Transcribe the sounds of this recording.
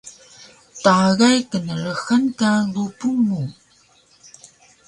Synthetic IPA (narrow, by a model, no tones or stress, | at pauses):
taɣajkənəɭəxənkalupuŋːu